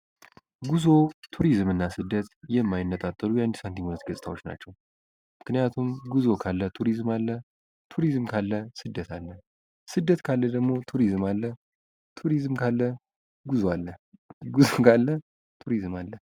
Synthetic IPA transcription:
ɡuzo̞t̪ʰuɾizmɨnːasɨd̪ːət̪jɛmːajɪnːət̪ʼat̪ʼːəlujand̪isant̪ʰiɲhunət̪ɡəsʼɨt̪ʰawo̞t͡ʃːna̰t͡ʃːɛw | mɨknɨjat̪ʰumɡuzo̞kʰalːət̪ʰuɾizmalːə | t̪ʰuɾizmkʰalːəsɨd̪ːət̪ʰalːə | sɨd̪ːət̪kʰalːəd̪əɡmo̞t̪ʰuɾizmalːə | t̪ʰuɾizmkʰalːə | ɡuzoalːəɡuzokʰalːə | t̪ʰuɾizmalːə

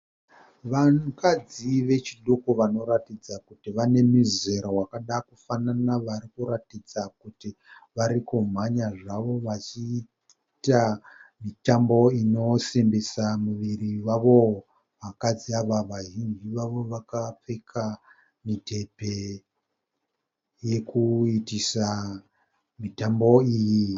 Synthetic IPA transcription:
ʋaŋkad͡ziʋe̞t͡ʃiɗokuʋano̞ɾatid͡zakutiʋane̞mize̞ɾowakaɗakufananaʋaɾikuɾatid͡zakuti | ʋaɾikum̤aɲaʐaʋo̞ʋat͡ʃi | tamitambo̞ino̞sembesamuʋiɾiwaʋo̞ | ʋakad͡ziaʋaʋaɦind͡ʒiʋaʋo̞ʋakap͡fekʰa | mitʰe̞pe̞ | je̞kuitisa | mitambo̞iːji

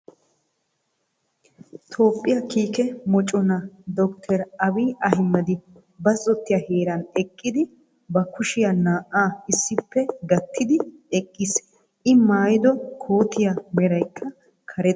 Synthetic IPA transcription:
t̪ʰo̞ːpʼːɪjɐkiːkɛmɔt͡ʃʼːɔnɐd̪ɔkt̪ʰɛɾɐbiːʔɐhɪmːɐd̪ɪ | bɐzːɔt̪ːɪjɐheːɾɐnɛkʼːɪd̪ɪ | bɐkʊʃɪjɐnaːʔaːɪsːɪpːɛɡɐt̪ːɪd̪ɪɛkʼːɪs | ʔɪmaːjɪd̪ɔkʰoːt̪ɪjamɛɾɐjkʰːɐ | kʰɐɾɛ

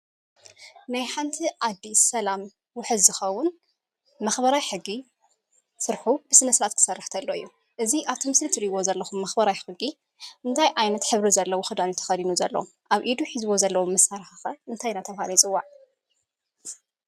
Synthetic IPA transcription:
najħant̪ʰiʔad̪ːisɐlam | wʊħɨd̪zɨxɐwːʊn | mɐxbɐɾajħɨɡːi | sɨɾħubɨsɨnɐsɨɾat̪kʰɨ̥sɐrːɨħt̪ʰɐlːoɨjːu | ʔɨziʔaβt̪ʰɨmɨslɨt̪ʰɨɾiwozɐlːɐxumːɐxbɐɾajħɨɡi | ʔɨnt̪ʰajʔajnɐt̪ħɨβɾizɐlːɐwoxɨd̪anut̪ʰɐ̥xɐlinuzɐlːɐ̰wo | ʔaβʔid̪uħizɨwo̞zɐlːɐwomːɐsaɾħaxɐʔɨnt̪ʰajnat̪ʰɐwhalɐjt͡sʼɨwːaʕ

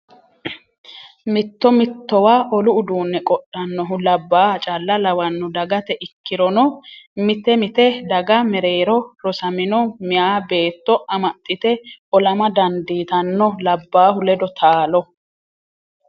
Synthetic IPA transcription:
mɪt̪ːɔmɪt̪ːɔwaːʔɔlʊʊd̪uːnːɛkʼɔɗːɐnːɔɦʊlɐbːaːt͡ʃʼɐlːɐlɐwɐnːʊd̪ɐɡɐt̪ɛʔɪkːɪɾɔnɔmɪt̪ɛmɪt̪ɛd̪ɐɡɐmɛɾe̞ːɾɔɾɔsɐmɪnɔmɪjaːbe̞ːt̪ːɔʔɐmɐt̪ʼːɪt̪ɛʔɔlɐmɐd̪ɐnd̪iːt̪ɐnːɔlɐbːaːɦʊlɛd̪ɔt̪ʰaːlɔ

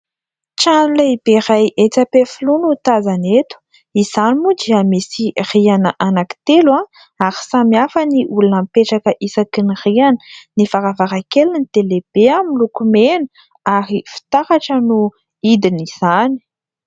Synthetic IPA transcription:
ʈ͡ʂanilaib̥eɾajʔet͡sapefilunut̪azanet̪u̥ | iz̥animud̪iamisirianəʔanaki̥t̪elwa | aɾi̥samiafəniʔulunampeʈ͡ʂakəʔisakinirianə̥nifaɾavaɾakelinit̪eleb̥eamilukumenə | aɾifi̥t̪ahaʈ͡ʂənu | id̪iniz̥ani̥

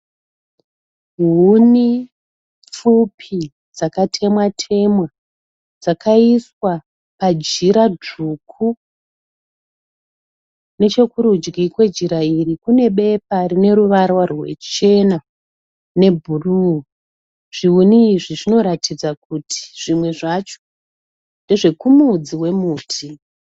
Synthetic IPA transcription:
ɦuni | p͡fupʰi | d͡zakatʰe̞mwatʰe̞mwa | d͡zakʰaiswa | pad͡ʒiɾad͡ʐukʰu | ne̞t͡ʃe̞kuɾud͡ʒɡikwe̞d͡ʒiɾairikune̞ɓe̞p̚arine̞ɾuʋarwarwe̞̰t͡ʃe̞na | ne̞bʱuruu | ʐ̥iuniːʐiʐino̞ɾatʰid͡zakutʰi̥ʐ̥imwe̞ʐat͡ʃo̥ | nde̞ʐe̞kumud͡ziwe̞muːtʰi

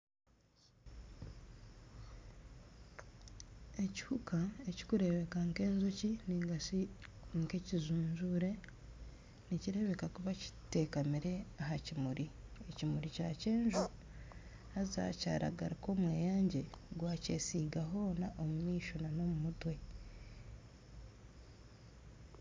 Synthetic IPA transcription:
eci̥hukaeci̥kuɾe̞βe̞kaŋke̞ːnzociniiŋkecizuːɲʒuɾe̞ | niciɾe̞βe̞kakuβaci̥te̞kamiɾe̞ahacimuɾʔiecimuɾicaːce̞ːɲʒo | aza̰ca̰ːɾa̰ɡaɾiko̞mweːjaːɲɟe̞ɡwaːce̞̰ːsiːɡaɦo̞ːnaʔo̞mumiːʃonano̞mumutwe̞

